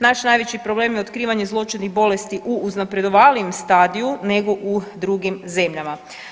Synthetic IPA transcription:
naʃnajʋe̞t͡ɕipɾo̞bleːmjeo̞t̪kɾiːʋaɲe̞zlˠo̞t͡ʃinixbo̞le̞st̪iʔuːznapɾe̞d̪o̞ʋaːliemst̪aːd̪ijune̞ɡo̞ʔud̪ɾuɡimze̞mʎama

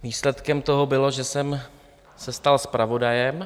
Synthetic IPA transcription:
viːslɛt̪kɛmt̪o̞ɦo̞bɪlo̞ʒɛsɛm | sɛst̪alspɾʔavo̞dajɛm

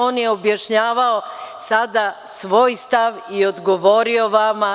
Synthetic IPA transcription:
oːnjeobjaʃɲaːʋao̞sad̪a | sʋo̞ːjst̪aʋio̞d̪ɡoʋo̞ːɾio̞ʋama

